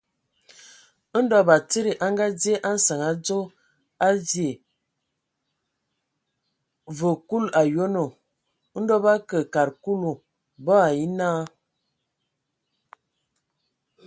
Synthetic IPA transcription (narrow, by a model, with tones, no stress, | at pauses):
n̩˦dɔ˦ba˨t͡sə˦ɾi˨ʔa˦ŋɡa˦d͡zje˦ʔa˦n̩˦sa˨ŋa˨d͡zo˦ | a˦d͡zje˨ | və˨ku˦la˨jo˦no˨˦ | n̩˦dɔ˦ba˦kə˨ka˨ɾku˦lu˨ | bɔ˦a˨ji˦naː˦